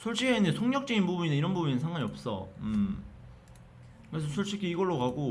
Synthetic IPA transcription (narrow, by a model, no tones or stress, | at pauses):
sʰoɭɕ͈ikeinesʰoŋɲʌk̚t͡ɕ͈eɡinbubuɲineiɾʌnbubuɲinɯnsʰaŋɡaɲiʌp̚s͈ʌ̰ɯm | kɯɾes̬ʰʌsʰʌɭɕ͈ʰikʰiːɡʌɭːokaɡo